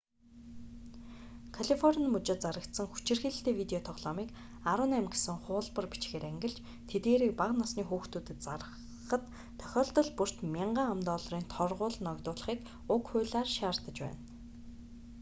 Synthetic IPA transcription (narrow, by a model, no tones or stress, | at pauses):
kʰaɮifɔrʲnmut͡ɕɪ̆t̪̚t͡saɾə̆kt̪sə̆ŋxu̥t͡ɕɪ̆rxiːɮ̆ɬt̪eːwit̪eɔt̪ʰɔʁɮɔːmiːk | aɾʊːnæmɡesɘ̆ŋχʊːɮpə̆rpit͡ɕxeːɾæŋɡɪ̆ɮt͡ɕ | t̪ʰet̪ɡeːɾiːk̚paqnɔsniːxuːxt̪uːt̪ɘ̆t̪t͡sarə | χə̆t̪ʰː | œ̥xʲɔːɮt̪ɞ̆ɮpur̥t̪mʲiɴɢaːamt̪ɔːɮriːnt̪ʰɔrʁʊːɮnɔkt̪ʊːɮ̆χiːk | ʊkxʊːɮaːrʃaːrt̪ə̆t͡ɕpæ̰ːn